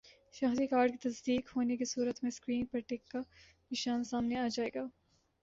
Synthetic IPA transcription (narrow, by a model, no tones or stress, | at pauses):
ʃɐɦd̪ikaːɾɖ̚kit̪ɐzd̪iːkhoːnekisuːɾət̪mẽskɾiːnpɐʈɪkːa | nɪʃaːnsaːmneaːd͡ʒaːeːɡaː